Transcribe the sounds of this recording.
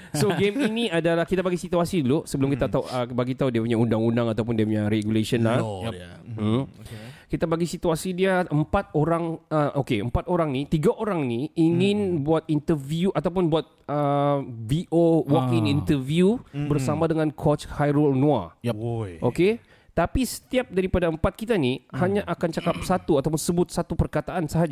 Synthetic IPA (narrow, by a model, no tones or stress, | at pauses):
soɡeiminĩadalahkit̪abaɡisit̪uasidulusəbəlʊmkit̪at̪auəbaɡit̪aɦudiap̬uɲaundaŋundaŋat̪awp̬ʊndiapuɲaɾeɡuleʃənla | kit̪abaɡisit̪uasidiaəmpat̪̚oɾaŋəʔokeəmpat̪oɾaŋnit̪iɡaʔoɾaŋniiŋɪ̃nbuat̪̚int̪ərviuʔat̪awpʊnbuat̪̚əviʔowɔkɪŋint̪ərviubərsamãdəŋãnkʰɔt͡ʃhajɾonũa̰ | ʔoke | t̪apisə̥t̪iap̚daɾipadaəmpat̪̚kit̪anihaɲãʔakant͡ʃakap̚sat̪uat̪awpʊnsəbʊt̪̚sat̪upərkat̪aʔansəɦad͡ʒ